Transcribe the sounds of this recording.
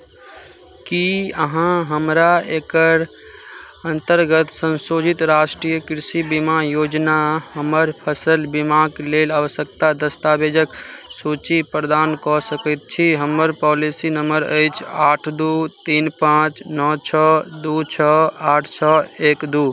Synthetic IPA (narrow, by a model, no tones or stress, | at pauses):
kiəɦãɦəmɾaekəɾ | ənt̪əɾɡət̪sənsod͡ʒit̪ɾasʈɾijəkɾisibimajod͡ʒnaɦəməɾpʰəsəlbimakelelaʋəsjəkt̪ad̪əst̪abed͡ʒək | sut͡ʃipɾəd̪ankɔsəkət̪̚t͡ʃʰiɦəməɾpɔlisinəməɾə̰jt͡ʃʰaʈʰd̪ut̪inpãt͡ʃnɔt͡ʃʰɔd̪ut͡ʃʰɔaʈʰt͡ʃʰɔekd̪u